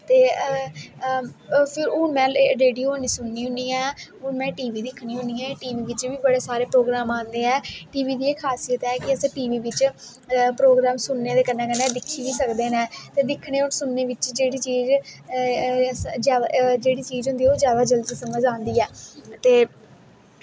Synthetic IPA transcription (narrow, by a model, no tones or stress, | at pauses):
t̪eː | pʰɪɾoːmɛ̃ːɾeːɖioːniːsʊnːiːɦʊ̃niːɛːoːmɛ̃ːʈiːʋiːd̪ɪkʰːɽiːɦʊ̃niːɛ̃ːʈiːʋiːʋɪt͡ʃʋiːbəɽeːsaːɾeːpɾoːɡɾaːmãːnd̪eːɛːʈiːʋiːd̪iːeːkʰaːsijət̪ɛːkɪəsãːʈiːʋiːʋɪt͡ʃ | pɾoːɡɾaːmsʊnːeːd̪eːkənːɛ̃ːkənɛ̃ːd̪ɪkʰːiːʋiːsəkd̪eːnɛ̃ːt̪eːd̪ɪkʰɽeːosʊnːeːʋɪt͡ʃd͡ʒeːɽiːt͡ʃiːz | d͡ʒaːd̪d͡ʒeːɽiːt͡ʃiːzɦʊ̃nd̪iːoːzjaːd̪aːd͡ʒəld̪iːsəməd͡ʒãːnd̪iːɛːt̪eː